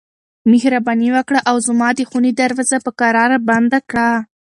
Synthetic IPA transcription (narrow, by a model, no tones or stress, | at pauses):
mɪhɾabɑniwəkɽaʔawzmɑd̪əxunid̪aɾwazapəkaɾɑɾaband̪akɽa